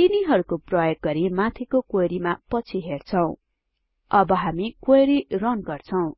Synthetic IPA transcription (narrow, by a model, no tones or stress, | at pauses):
t̪iniɦʌɾukoprʌjoɡ̚ɡʌɾimat̪ʰikokoɾimapʌt͡sʰiɦert͡sʰʌw̃ | ʌbʌɦamikojɾirʌnɡʌrt͡sʰʌw̃